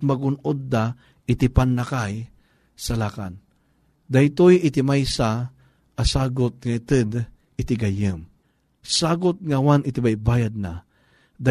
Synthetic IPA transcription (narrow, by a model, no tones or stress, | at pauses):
maɡʊnʊd̪ːa | ɪt̪ɪpanːakaj | salaka̰n | d̪ajt̪ojɪt̪ɪmajsa | asaːɡʊt̪̚ŋait̪ɨd̪ | ɪt̪ɪɡajɨm | saːɡʊt̪̚ŋawanɪt̪ibajbaːjad̪̚na | d̪a